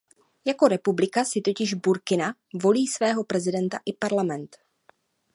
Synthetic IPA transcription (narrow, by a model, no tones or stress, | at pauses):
jako̞ɾɛpublɪkasɪt̪o̞cɪʒbuɾkɪnavo̞liːsvɛːɦo̞pɾɛzɪdɛnt̪aʔɪpaɾlamɛnt̪